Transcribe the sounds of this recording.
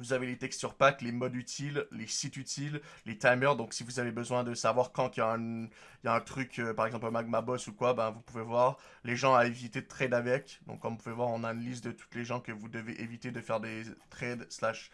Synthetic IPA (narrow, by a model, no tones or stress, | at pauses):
vuzavelet̪ɛkst̪syʁpaklemɔd̪yt̪ʰilːesit̪yt̪ʰilːet̪ajmœʁd̪ɔ̃ksivuzavebəzwɛ̃d̪əsavwaʁkɑ̃kjaɛ̃ | jaɛ̃t̪χykʲʰøpaʁɛɡzɑ̃pləmaɡ̚mabɔsukwabɛ̃vupuvevwaʁ | leʒɑ̃aevit̪et̪χɛd̪avɛkʲd̪ɔ̰̃kːɔ̃mupuvevwaʁɔ̃naynlist̪d̪ət̪u̥t̪leʒɑ̃kəvud̪əveʔevit̪ed̪əfɛʁd̪et̪χɛd̪slaʃ